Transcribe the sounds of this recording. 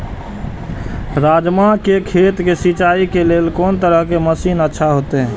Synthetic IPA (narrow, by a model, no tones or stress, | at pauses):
ɾaːd͡ʒmakekʰeːt̪kesit͡ʃaːikeleːlkoːnt̪əɾəɦkeməsiːnətːʃʰaɦot̪eɦɛ̃ː